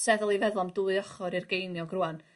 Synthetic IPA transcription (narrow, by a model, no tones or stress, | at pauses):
sɛðlˠivɛðlˠɔmduɨðɔχɔɾirɡejnjɔɡruːan